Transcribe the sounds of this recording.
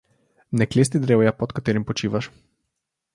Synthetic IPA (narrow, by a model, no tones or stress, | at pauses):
nɛkleːst̪id̪ɾewjapɔt̪kat̪eːɾimpɔt͡ʃiːʋaʃ